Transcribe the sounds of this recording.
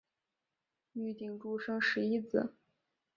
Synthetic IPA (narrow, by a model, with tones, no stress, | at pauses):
y˥˩t̪i˥˩ŋʈ͡ʂu˥˧ʂɤ˥ŋʂɻ̩˧˥i˥t͡sɹ̩˨˩˦